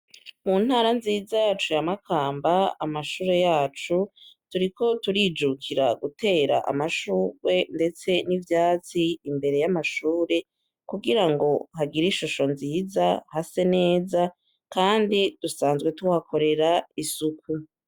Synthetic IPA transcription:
munhaːɾanziːzajaːt͡ʃujamakʰaːmbaamaʃuːɾe̞jaːt͡ʃutuɾiko̞tuɾiːd͡ʒukʰiɾaɡute̞ːɾa̰ʔa̰maʃuːwe̞nde̞t͡se̞nivjaːt͡siːmbe̞ɾe̞jamaʃuːɾe̞ | kuɡiɾaŋɡo̞haɡiɾiʃuʃo̞nziːzahase̞ne̞ːza | kaːndid̥usaːnzɡwe̞tuwakʰo̞ɾe̞ɾaisukʰu

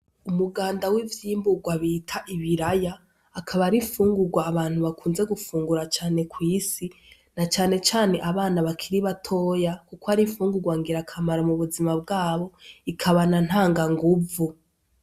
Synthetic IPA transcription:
umuɡaːndawivjiːmbuɡwaβiːtʰaʔiβiɾajaː | kʰaβaɾifuːŋɡuɡwaːβaːn̥huβakʰuːnze̞ɡufuːŋɡuɾat͡ʃaːne̞kwiːsi | nat͡ʃaːne̞t͡ʃaːne̞ʔaβaːnaβakʰiɾiβatʰo̞ːjakukoaɾiɱfuːŋɡuɡwaŋɡiɾakʰamaɾamuβuzimabɡaːβo̞ikʰaβanan̥haːŋɡaŋɡuvu

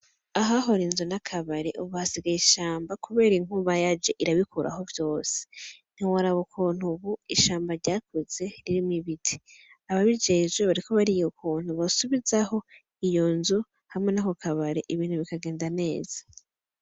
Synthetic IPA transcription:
aɦaɦo̞ɾinzunakʰaβaɾe̞̰ʔuβuhasiɡajiʃaːmbakuβe̞ːɾiŋ̥uβajad͡ʒe̞ʔiɾaβikʰuɾʔa̰ho̞vjo̞ːse̥n̥iwaɾaβokʰuːn̥uβuiʃaːmbaɾɟaːkʰoz̥e̞ɾiɾimiβitʰi̥ | aβaβid͡ʒe̞ːʒweβaɾikʰo̞βaɾijokʰuːn̥uβasuβizaho̞ | ijo̞nzu | hamŋe̞nako̞kʰaβaɾe̞ʔiβiːn̥huβikaɡe̞ːndane̞ːz̥ḁ

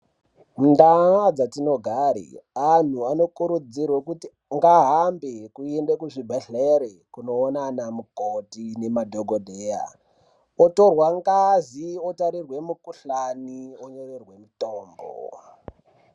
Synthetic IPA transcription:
mundaad͡zatino̞ɡʱaɾḭan̤uano̞kuɾud͡zirwekuti | ŋɡaɦambekuendekuʐibʱeɬeɾekuno̞ːnanamukotine̞madʱoɡʱodʱeːja̰ | oto̞rwaŋɡaziotaɾirwe̞mukuɬanioɲorerwe̞mitoːmbo̰

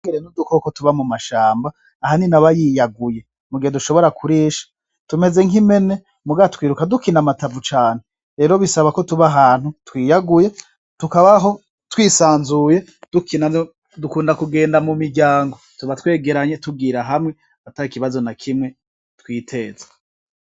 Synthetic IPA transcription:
ɡeɾenudukokotuβamumaʃaːmbaː | haninaβajijaɡuje̞ | muɡiheduʃo̞βo̞ɾakʰuɾiːʃḁ | tume̞ze̞ŋime̞ne̞ | muɡaatkwiːɾukadukinamatavut͡ʃaːn̥he | ɾe̞ːɾo̞βisaβako̞tuβaɦaːnhutwiːjaɡuje̞ | tukaβaɦo̞ | twiːsaːnzuje̞ | d̥ukʰina | dukuːndakuɡe̞ːndamumiɾɟaːŋɡo̞tuβatwe̞ːɡe̞ɾaɲe̞tub̚ɡiːɾaɦamŋe̞ | ataɾikiβazo̞nakʰimŋe̞ | twiːtʰe̞ːze̥

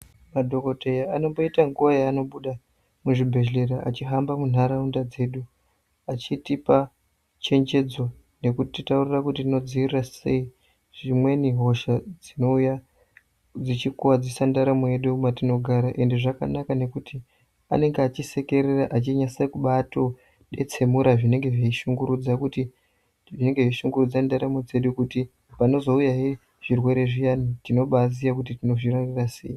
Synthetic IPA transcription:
madʱo̞ko̞tejaano̞mbo̞itaŋɡuʋajaːno̞ɓuɗa | muʐibʱe̞ɮe̞ɾaʔat͡ʃiɦambamun̤aɾaundad͡ze̞ːɗu | at͡ʃitipa | t͡ʃe̞ɲd͡ʒe̞d͡zo̞ | ne̞kutititaurirakutitino̞d͡ziirrase̞i | ʐimwe̞niɦo̞ʃad͡zino̞uja | d͡zit͡ʃikuwad͡zisandaɾamueɗuumatino̞ɡʱaɾaʔe̞nde̞ʐaka̰nakane̞kuti | a̰ne̞ŋɡeaːt͡ʃise̞ke̞ɾeraʔat͡ʃiɲasakuɓato̞ | ɗe̞̰t͡se̞muɾaʐine̞ŋɡe̞ʐiiʃuŋɡuɾud͡zakuti | ʐine̞ŋɡe̞ʐeʃuŋɡurud͡zandaɾamud͡ze̞ɗukuti | pano̞zo̞ujaɦe | ʐ̥irwe̞ɾe̞ʐijanitino̞ɓaziak̬ut̬itino̞ʐirarirasḛi

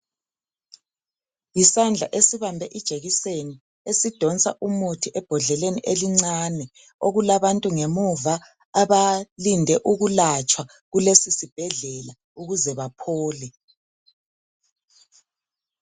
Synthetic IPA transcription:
jisand͡ɮʱaʔesiβambʱɛʔid̥ʒ̥ʱeɣiseni | esid̥ʱɔnt͡sʼa̰ʔumutʰiʔɛb̥ʱɔɮɛleniʔeliŋ͡ǀanɛ | oɣulaβantʼuŋemuva | aβalindʱɛʔuɣulat͡ʃʼwa | ɣulesisib̥ʱɛɮɛla | uɣuzɛβapʰɔːlɛ

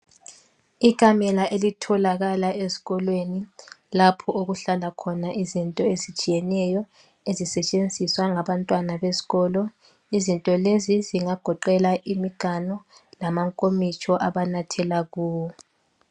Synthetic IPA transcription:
ikʰʼamɛlaʔelitʰɔlaɣalaezi̥ɣɔlwenilapʰɔoɣuɬalakʰɔnaʔizintʼɔezit͡ʃʼijɛnɛjɔ | ezisɛt͡ʃʼend͡zʱiswaŋaβantʼwanaβezi̥ɣɔːlɔ | izintʼɔleziziŋaɡ̥ʱɔǃɛlaʔimiɡ̥ʱanɔlamaŋkʼomit͡ʃʰʼɔʔaβanatʰɛlaɣuːwɔ

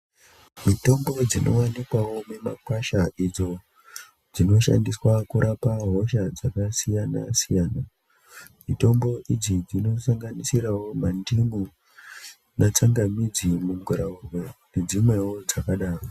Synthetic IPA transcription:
mito̞mbo̞d͡zinʔo̞̰wanikwawo̞me̞ma̰kwaʃaʔid͡zo̞ | d͡zino̞ʃa̰ndiswakuɾapaɦo̞ʃad͡zakasijana̰sijaːna | mito̞mbo̞ʔid͡zid͡zino̞saŋɡanisiɾawo̞mandimu | nat͡saŋɡamid͡zimuɡʱuɾaurwene̞d͡zimwe̞wod͡zakaɗaːro

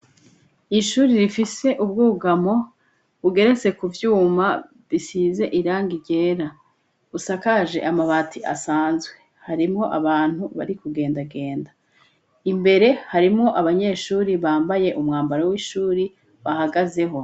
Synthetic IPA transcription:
iʃuːɾiɾifise̞ʔubɡuːɡamo̞ | βuɡe̞ɾe̞t͡se̞kuvjuːma | βisiːze̞ʔiɾaːŋɡiɾɟe̞ːɾa | usakaʒe̞̰ʔamaβatʰiʔa̰saːnzɡwe̞haɾimŋo̞ʔaβaːn̥huβa̰ɾikuɡe̞ːndaɡe̞ːnda | imbe̞ɾe̞haɾimŋo̞ʔaβaɲe̞ːʃuːɾiβaːmbaje̞ʔumŋaːmbaɾawiʃuːɾi | βahaɡaze̞ɦo̞

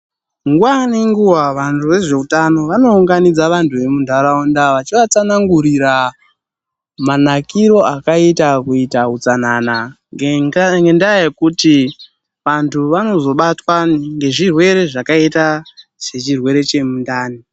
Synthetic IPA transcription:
ŋɡuwaniŋɡuwaʋantʰuʋe̞ʐe̞utano̞ʋano̞uŋɡanid͡zaʋantʰuʋe̞mundʱaɾaundaʋat͡ʃiʋat͡sanaŋɡuɾiɾa | manakiɾo̞akaitakuitaut͡sanana | ŋɡe̞ndajajekuti | ʋantʰuʋano̞zo̞ɓatwaŋɡe̞ʐirwe̞ɾe̞ʐakaitaz̥e̞t͡ʃirwe̞ɾe̞t͡ʃe̞mundaːni

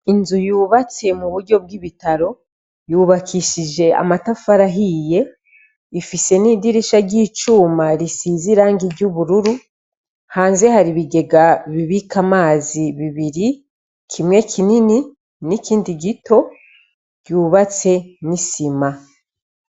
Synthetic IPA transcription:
inzujuːβat͡se̞muβuɾɟo̞b̚ɡiβitaɾo̞ | juːβakʰiʃid͡ʒe̞a̰matafaɾaɦije̞ | ifise̞niːdiɾiʃaɟiːt͡ʃuːmaɾisiziɾaːŋɡiɟuβuɾuɾu | haːnze̞haɾiβiɡe̞ɡaβiβikamaːziβiβiɾi | kʰimŋe̞kʰinini | nikʰiːndiɡitʰo̞ | ɟ̥uːβat͡se̞nisima

